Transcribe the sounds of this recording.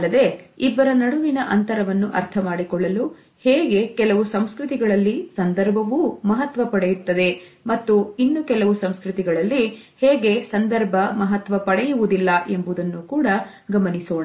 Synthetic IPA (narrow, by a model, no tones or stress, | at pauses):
lːɐd̪e̞ːibːɐɾɐnɐɽuʋinɐʔɐnt̪ɐɾɐʋɐnːuʔɐ̰ɾt̪ʰɐmaːɽikɔɭːɐlu | heːɡe̞kɛlɐʋusɐmskɾut̪iɡɐɭɐlːisɐnd̪ɐɾbʱɐʋumɐɦɐt̪ʋɐpɐɽɛjut̪ːɐd̪e̞mɐt̪ːuinːukɛlɐʋusɐmskɾut̪iɡɐɭɐlːi | heːɡe̞sɐnd̪ɐɾbʱɐmɐɦɐt̪ʋɐpɐɽɛjuʋud̪ilːɐʔe̞mbud̪ɐnːukuːɽɐ | ɡɐmɐnisoːɳa